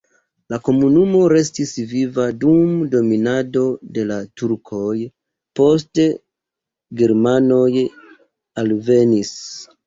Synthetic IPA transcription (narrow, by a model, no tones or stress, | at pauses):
lako̞munumo̞ɾe̞stisvivadumdo̞minado̞de̞latuɾkʰo̞j | po̞s̬te̞ | ɡeɾmano̞j | alve̞nis